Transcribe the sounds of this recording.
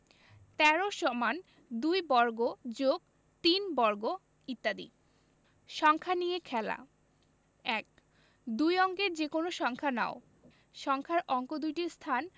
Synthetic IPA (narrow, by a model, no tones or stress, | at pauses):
t̪ɛɾoʃɔman | d̪ujbɔɾɡod͡ʑoɡ̚ | t̪inbɔɾɡo | it̪ːad̪ḭ | ʃɔŋkʰanijekʰɛla̰ | ɛk̚ | d̪ujɔŋkeɾd͡ʑekonoʃɔŋkʰana̰o | ʃɔŋkʰaɾʔɔŋkod̪ujʈiɾst̪ʰan